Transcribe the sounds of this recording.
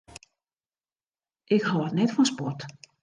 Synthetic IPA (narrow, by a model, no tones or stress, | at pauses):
ʔɪkhɔətnɛtfɔnspɔt